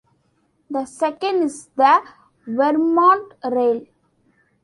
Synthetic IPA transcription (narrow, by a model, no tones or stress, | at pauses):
d̪əsɛkə̃ɳɖɪsd̪ə | ʋɛɾmɔ̃ːɳʈɾeːl